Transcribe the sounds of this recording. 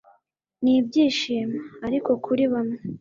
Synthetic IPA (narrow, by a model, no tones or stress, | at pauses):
nib̚ɟiːʃiːmaːɾiko̞kʰuɾiβane